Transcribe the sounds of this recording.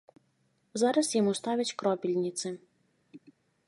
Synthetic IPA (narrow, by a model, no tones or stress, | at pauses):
zɑɾɐsjɔmust̪ɑʋʲɐtʲkɾɔpʲilʲnʲit̪sɪ